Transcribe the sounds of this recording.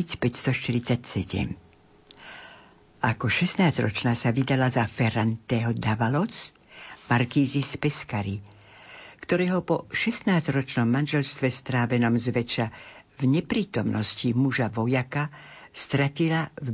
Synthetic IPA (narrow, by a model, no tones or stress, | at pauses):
it͡spɛcst̪ɔʃt̪iɾit͡sacsɛɟɛ̰m | akɔʃɛst̪naːzɾɔt͡ʃnaːsaʋid̪alazafɛɾant̪ɛːɦɔd̪aʋalɔt͡s | maɾkiːzispɛskaɾi | kt̪ɔɾɛːɦɔpɔʃɛst̪naːzɾɔt͡ʃnɔmːanʒɛlst̪ʋɛst̪ɾaːʋɛnɔmzʋɛt͡ʃa | vɲɛpɾiːt̪ɔmnʔɔscimuʒaʋɔjakast̪ɾacilav